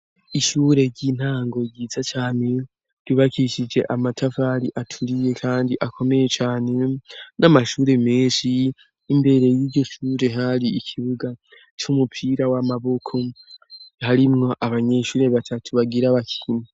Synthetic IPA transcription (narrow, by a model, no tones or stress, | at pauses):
iʃuːɾe̞ɾɟiːn̥haːŋɡo̞ɡiːzat͡ʃaːne̞ | d̥uβakiʃid͡ʒe̞ʔamatʰavaːɾiʔatʰuɾije̞kʰaːndiʔakʰo̞me̞je̞t͡ʃaːne̞namaʃuːɾe̞meːnʃiː | mbe̞ɾe̞jiːɾɟo̞ʃuːɾe̞ɦaɾiikʰiβuɡa | t͡ʃumupʰiɾawamaβo̞kʰo̞ | haɾimŋo̞ʔaβaɲeʃuːɾe̞βatʰatʰuβaɡiɾaβakʰi̥himi